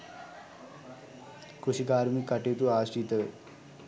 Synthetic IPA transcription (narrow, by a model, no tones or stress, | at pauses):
kusiɡaːɾumikɐʈet̪uaːsʈiːt̪ə